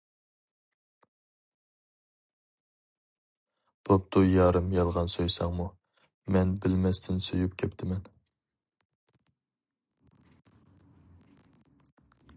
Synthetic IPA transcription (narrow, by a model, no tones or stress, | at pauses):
b̥op̚t̪ʰujɑːɾɨmjɑlˠʁɑnsøjsɑŋmu | mɛnbɪlmɛst̪ʰɪnsøjup̚kʲʰɛpt̪ʰɪmɛn